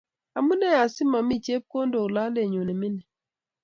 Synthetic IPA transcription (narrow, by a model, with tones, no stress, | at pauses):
a˨mu˦nɛ˦a˨sɪ˦ma˨mi˦˨t͡ʃe˦p̚ko˦ndo˨la˦le˨ɲo˨nɛ˨mɪ˦nɛ˨